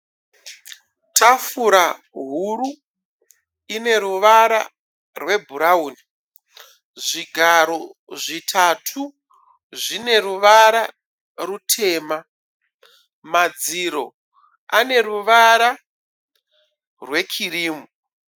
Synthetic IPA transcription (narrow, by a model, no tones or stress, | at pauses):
tʰafuɾa | ɦuɾu | ine̞ɾuʋaɾa̰ | rwe̞bʱuɾauːni | ʐiɡʱaɾo̞ʐitʰatʰu | ʐine̞ruʋaɾa | rutʰe̞ːma | mad͡ziɾo̞̰ | ane̞ɾuʋaɾa | rwe̞kʰiriːmu